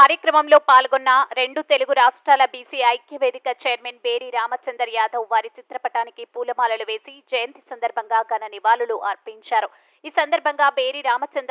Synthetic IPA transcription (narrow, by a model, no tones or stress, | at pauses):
kaːɾjɐkɾɐmɐmlo̞ːpaːlɡonːɐɾe̞ɳɖut̪e̞luɡuɾaːʂʈɾaːlɐbiːsiːɐjkjɐʋe̞ːd̪ikɐt͡ʃeːjɐɾmeːnbe̞ːɾiːɾaːmɐt͡ʃɐnd̪ɐɾjaːd̪ʱɐwʋaːɾit͡ʃit̪ɾɐpɐʈaːnikipuːlɐmaːlɐluʋe̞ːsid͡ʒɐjɐnt̪isɐnd̪ɐɾbʱɐŋɡaːɡɐnɐniʋaːluluʔɐɾpiɲt͡ʃaːɾu | iːsɐnd̪ɐɾbʱɐŋɡaːbe̞ːɾiːɾaːmɐt͡ʃɐnd̪